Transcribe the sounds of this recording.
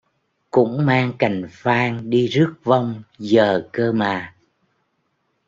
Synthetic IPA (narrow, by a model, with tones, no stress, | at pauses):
kʊ̰˧˥ŋ͡mmaː˧ŋka˨˩jŋ̟faː˧ŋɗi˧zɨ˦˥ək̚va˧wŋ͡mzəː˨˩kəː˧maː˨˩